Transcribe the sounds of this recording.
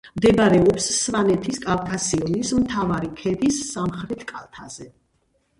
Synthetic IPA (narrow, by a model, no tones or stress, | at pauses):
md̪ɛbaɾɛɔpsːvanɛt̪ʰiskʼalˠk̪ʼasiɔnismt̪ʰavaɾikʰɛd̪isːamχɾɛt̪ʰkʼalˠt̪ʰaz̥ɛ